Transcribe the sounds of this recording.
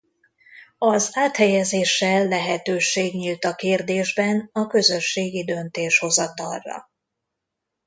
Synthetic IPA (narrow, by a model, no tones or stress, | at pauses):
ɒzaːt̪hɛjɛzeːʃːɛlːɛɦɛt̪øːʃeːɡɲiːlt̪ɒkeːrd̪eːʒbɛnɒkø̞zø̞ʃːeːɡid̪ø̞nt̪eːʃho̞zɒt̪ɒrːɒ̰